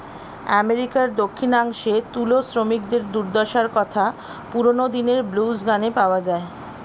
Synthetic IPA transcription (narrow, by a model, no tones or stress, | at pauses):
ɛmeɾikaɾd̪okʰːinaŋʃet̪ulosɾomik̚d̪eɾd̪uɾd̪ɔʃaɾkɔt̪ʰa | puɾonod̪ineɾblusɡanepaoad͡ʑae